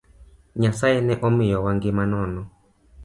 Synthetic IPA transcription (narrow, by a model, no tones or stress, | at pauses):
ɲasaɛnɛʔɔmijɔwaŋɡimanɔnɔ